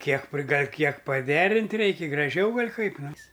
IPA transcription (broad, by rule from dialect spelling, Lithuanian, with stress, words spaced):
ˈkʲiɛk pʲrʲɪˈɡɐlʲ ˈkʲiɛk pɐˈdʲæːrʲɪnʲtʲ ˈrʲɛɪkʲɪ ɡrɐˈʒʲɛʊ ˈɡɐlʲ ˈkɐɪp ˈnʲɛs